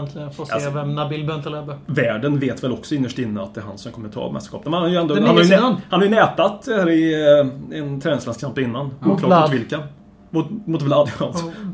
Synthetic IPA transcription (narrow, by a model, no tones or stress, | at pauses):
nt̪ʰlɪɡənfoːseːvɛmnabɪlbɛnt̪əlɛb̪əvæːɖənveːt̪vɛlɔksɔɪnːəʂʈɪnːəat̪̚ɛæːɾɦa̰nsɔmkʰɔmːəɾt̪ʰɑ̰ːbɛmɛ̰st̪əʂkɑ̰ːpnmɛnaɾjəɛnd̪ohanɾhanhaɾjənɛːt̪at̪æːɾɪ | ɛnt̪ʰɾɛːnɪslɛnskʰampɪnːanuːk̪lɑːmʊt̪vɪlka | mʊmʊt̪vlad̪alsɔ